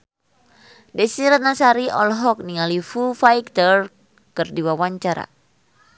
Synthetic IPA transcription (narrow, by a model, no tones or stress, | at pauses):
dɛsiɾanasaɾiʔɔlɦɔk̚niŋalifufajkt̪ər | kɨrdiwawaɲt͡ʃaɾa̰